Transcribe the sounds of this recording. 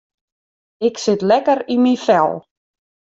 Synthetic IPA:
ɪksɪt̪lɛkəɾimifɛ̰lˠ

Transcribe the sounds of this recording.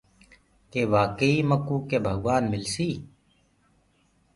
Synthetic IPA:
keːʋaːkəiːməkũːkeːbʱəɡwaːnmɪlsiː

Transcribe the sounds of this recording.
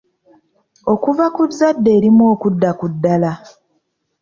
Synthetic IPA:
o̞kuvakuzːadːe̞ːɾimoːkudːakudːala

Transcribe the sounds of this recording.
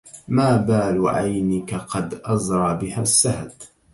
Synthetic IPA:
maːbaːluʕajnɪkaqɑd̪ʔɑzɾˤɑʕbɪhasːahd̪

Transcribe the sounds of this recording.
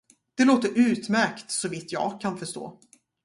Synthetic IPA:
d̪̥ɛloːt̪əɾʔʉ̟ːt̪mæɾkt̪sɔvɪt̪ːjɑ̰ːɡkʰːanfœʂt̪o̰ː

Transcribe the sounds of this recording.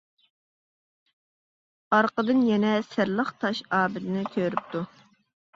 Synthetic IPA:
ɑɾqəd̪ɨnjɛnɛsɪɾlˠəχt̪ʰɑʃɑːbɪt̪ɪnɪkʲʰøɾyp̚t̪ʰu

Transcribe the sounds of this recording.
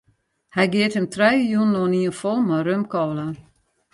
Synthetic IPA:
hɛjɡɪəthəmtrɛjjunːoniənfɔlˠmaɾømkɔːla

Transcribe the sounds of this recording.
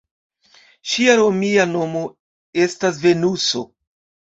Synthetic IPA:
ʃiaɾo̞miano̞mo̞ | e̞stasve̞nuso̞̰

